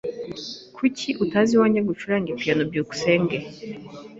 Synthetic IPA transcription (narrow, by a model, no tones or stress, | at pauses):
kwicʰiʔutaziwaɲaɡut͡ʃuɾaŋɡepianobjoku̥seːŋɡe